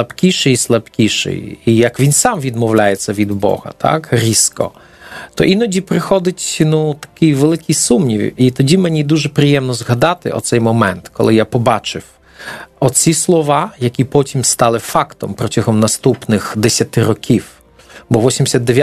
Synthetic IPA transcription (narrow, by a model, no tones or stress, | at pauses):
ɐpkʲiʃɛjislˠɐpkʲiʃɪ̰jijɐkʋʲinsɑmʋʲid̪mɔwlʲajet͡sʲːɐʋʲid̪bɔ̰hɐ̰t̪ʰɑ̰kɾʲiskɔ̰ | t̪ɔʔinɔdʲipɾɪxɔd̪ɪtʲnut̪ɐ̥kɪjʋelˠɪkʲijsumnʲiwʲit̪ɔdʲimenʲid̪uʒɛpɾɪjɛmnɔzɦɐd̪ɑt̪ɪ̰ʔɔ̰t̪sɛjmɔmɛnt̪kʰɔ̰lˠɪjapɔbɑt͡ʃɪw | ɔt͡sʲislˠɔʋɑjɐkʲipɔtʲimst̪ɑlˠɪfɑkt̪ɔmpɾɔtʲɐɦɔmnɐst̪upnɪxd̪esʲɐt̪ɪɾɔkʲʰiw | bɔʋɔsʲimʲdʲɪsʲɐd̪ːeʋʲj